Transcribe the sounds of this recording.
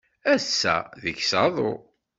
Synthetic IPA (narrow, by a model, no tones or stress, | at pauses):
æsːæ̰ðəçsɑðˤo̰